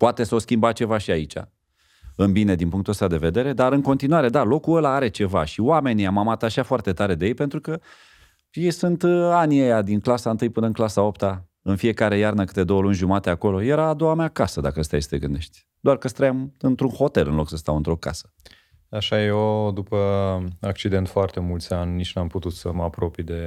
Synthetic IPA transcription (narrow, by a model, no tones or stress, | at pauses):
poat̪e̞səoskʲimbat͡ʃe̞vaʃiait͡ʃa̰ | ɨnbine̞d̪inpuŋkt̪uəst̪ad̪e̞ve̞d̪e̞ɾe̞d̪aɾɨŋko̞nt̪inuwaɾe̞d̪alo̞kuəlaaɾe̞t͡ʃe̞vaʃiwame̞nʲiamamat̪aʃiafoart̪et̪aɾe̞d̪e̞jejpe̞nt̪ɾukə | jejsunt̪anʲiejad̪inklasaɨnt̪ɨjpɨnəɨnklasaopt̪a | ɨnfie̞kaɾe̞jarnəkɨ̥t̪e̞d̪o̞wəlunʲʒumat̪e̞ako̞lo̞je̞ɾaːd̪o̞wameakasəd̪a̰kəəst̪ajst̪eɡɨnd̪e̞ʃt̪ʲ | d̪oarkəst̪ɾəjamɨnt̪ɾunho̞t̪e̞lɨnlo̞ksəst̪awɨnt̪ɾo̞ka̰sə̥ | aʃajeod̪upəak̚t͡ʃid̪e̞nt̪foart̪e̞mult̪sʲanʲnit͡ʃnuamput̪ut̪səməapɾo̞pijd̪e̞